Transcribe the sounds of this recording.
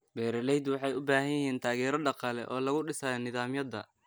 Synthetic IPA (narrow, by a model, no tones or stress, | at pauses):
bɛːɾɐlɛjd̪wɑħɑjʊbaːɦɐjɪɦɛːnt̪ʰaːɣɛːɾɐɖɑqɑːlɛ̰ʔɔːlɐɣʊɖɪsaːjnɪðaːmjɐd̪ɐ̰